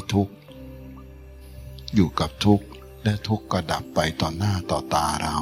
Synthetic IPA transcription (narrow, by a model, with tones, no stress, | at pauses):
t̪ʰu˦˥k̚ | juː˨˩ka˨˩p̚t̪ʰu˦˥k̚ | lɛ˦˥t̪ʰu˦˥kːɾa˧da˨˩pːa˧jt̪ɔː˨˩nːaː˥˩t̪ɔː˨˩t̪aː˧ɾa˧w